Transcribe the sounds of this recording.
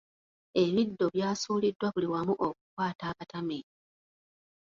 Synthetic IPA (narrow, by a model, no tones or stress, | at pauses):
e̞βidːo̞βjaːsuːlidːwaβuliwamuʔo̞k̚u̥kwaːtaːβatame